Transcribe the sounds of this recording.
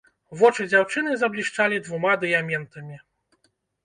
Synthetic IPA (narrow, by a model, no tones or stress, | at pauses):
vɔt͡ʂɨd͡zʲawt͡ʂɨnɨzɐblʲiʂt͡ʂalʲid̪vumad̪ɨjamʲɛnt̪ɐmʲi